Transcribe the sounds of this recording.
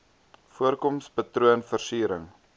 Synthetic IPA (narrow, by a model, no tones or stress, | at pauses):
fuərkɔmspɐtruənfərsyːɾəŋ